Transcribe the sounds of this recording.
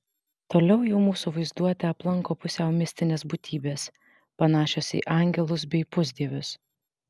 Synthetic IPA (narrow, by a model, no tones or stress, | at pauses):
t̪oːlʲɛʊjɛʊmuːsuʋɐɪzd̪uɔt̪ʲɛɐplˠɐŋkoːpʊsʲɛʊmʲɪsʲt̪ʲɪnʲeːsbuːt̪ʲiːbʲeːs | pɐnɑːʃʲoːsḭːʔɑŋʲɡʲɛlˠʊs̬bʲɛɪpʊzʲd̪ʲiɛʋʲʊs